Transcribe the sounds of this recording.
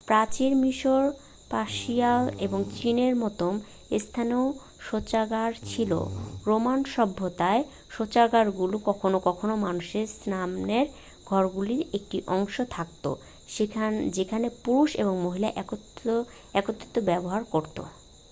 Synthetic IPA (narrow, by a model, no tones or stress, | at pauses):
pɾat͡ɕiɾmiʃoɾ | paʃiaeboŋt͡ɕineɾmɔt̪om | est̪ʰaneo | ʃot͡ɕaɡaɾt͡ɕʰilo̰ɾomanʃɔbʱːot̪ae | ʃot͡ɕaɡaɾɡulukɔkʰonokɔkʰonomanuʃeɾsnamneɾ | ɡʱɔɾɡuliɾek̚ʈiʔɔŋʃot̪ʰak̚t̪o̰ | ed͡ʑekʰanepuɾuʃḛboŋmoɦilaʔɛo | ɛkot̪ːo̥t̪ːobɛboɦaɾkoɾt̪o̰